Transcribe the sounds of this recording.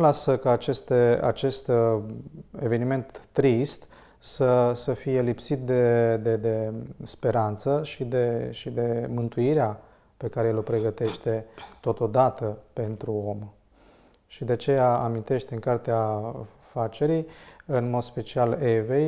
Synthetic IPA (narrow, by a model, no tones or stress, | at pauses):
lasəkaːt͡ʃe̞st̪ea̰t͡ʃe̞st̪ | e̞ve̞nime̞nt̪ːɾist̪ | səsəfije̞lipsit̪̚d̪e̞d̪e̞d̪e̞spe̞ɾant̪səʃid̪e̞ʃid̪e̞mɨnt̪uiɾea | pe̞kaɾeelo̞pɾe̞ɡət̪e̞ʃt̪e̞t̪o̞t̪o̞d̪at̪əpe̞nt̪ɾuo̞m | ʃid̪eat͡ʃe̞jaamint̪e̞ʃt̪ɨŋkart̪ea | fat͡ʃe̞ɾijɨnmo̞d̪spe̞t͡ʃiale̞vej